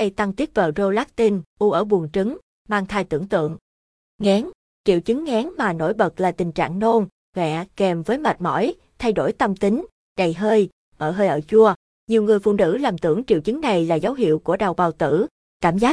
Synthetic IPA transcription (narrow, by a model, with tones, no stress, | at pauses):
ʔə˧jt̪a˧ŋt̪i˦˥t̚və̰ː˧˨˩zo˧laː˦˥k̚t̪i˧nʔu˧ʔəː˧˩ɓu˨˩əŋt͡ɕɨ˨˦ŋ | maː˧ŋt̪ʰaː˧jt̪ɨ̰˧˩əŋt̪ɨ̰˧˨əŋ | ŋɛ˨˦n | t͡ɕḭ˧˨wt͡ɕɨ˨˦ŋŋɛ˨˦nmaː˨˩no̰˧˩jɓə˨˩t̚laː˨˩t̪ï˨˩ŋ̟t͡ɕa̰ː˧˨ŋno˧n | vɛ̰˧˨kɛ˨˩mvəː˨˦jma˨˩t̚mɔ̰˧˥˩j | t̪ʰa˧jɗo˧˩jt̪ə˧mt̪ï˨˦ŋ̟ | ɗə˨˩jɦəː˧j | ʔəː˧˩ɦəː˧jʔəː˧˩t͡ɕu˧ə | ɲi˨˩əwŋɨ˨˩əjfṵ˧˨nɨ̰˧˥laː˨˩mt̪ɨ̰˧˩əŋt͡ɕḭ˧˨əwt͡ɕɨ˨˦ŋna˨˩jlaː˨˩zə˨˦wɦḭ˧˨əwku˧˩əɗa˨˩wɓaː˨˩wt̪ɨ̰˧˩ | kaː˧˩mzaː˦˥